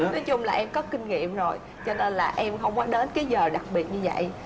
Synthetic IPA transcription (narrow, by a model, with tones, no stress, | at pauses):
nɔ˨˦jt͡ɕʊ˧ŋ͡mlaː˨˩ʔɛ˧mkɔ˨˦kï˧ŋ̟ŋḭ˧˨əmzo˨˩j | t͡ɕɔ˧ne˧nlaː˨˩ʔɛ˧mxə˧wŋ͡mkɔ˨˦ɗe˨˦nkaː˨˦jzəː˨˩ɗa˨˩k̚ɓi˨˩ət̚ɲɨ˧və̰˧˨j